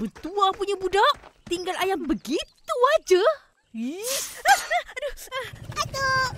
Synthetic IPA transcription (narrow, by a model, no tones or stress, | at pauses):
bət̪uapuɲabudaʔt̪iŋɡalajaŋbəɡit̪uad͡ʒa | i | doat̪o